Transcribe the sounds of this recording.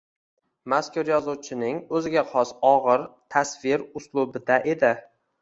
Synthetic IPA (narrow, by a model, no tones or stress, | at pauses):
maskʊɾjɒzʊwt͡ʃʰɪnɪŋɵzɪɡʲaχʰɒsɒʁɨɾt̪ʰasvɪɾʊslˠʊbɪd̪aʔe̞d̪ɪ